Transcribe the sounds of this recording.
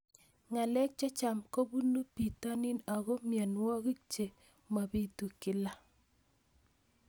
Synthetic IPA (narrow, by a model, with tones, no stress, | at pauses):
ŋa˨lɛ˦k̚t͡ʃɔ˦t͡ʃa˨mko˦bu˦nu˦pi˨ta˦nɪ˦na˨ɣɔ˦mja˨nwɔ˦ɣi˦t͡ʃe˨ | ma˨bi˦tu˨kɪ˨la˦